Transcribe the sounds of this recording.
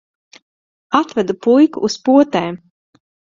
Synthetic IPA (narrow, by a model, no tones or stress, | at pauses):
at̪vɛd̪upujkuʔːspuɔt̪ɛːm